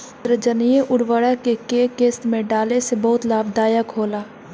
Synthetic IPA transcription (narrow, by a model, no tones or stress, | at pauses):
ɾəd͡ʒənijeʔʊɽwəɽakekeːkeːst̪mẽɖaːlesebɐɦʊt̪laːb̚d̪aːjəkɦoːlaː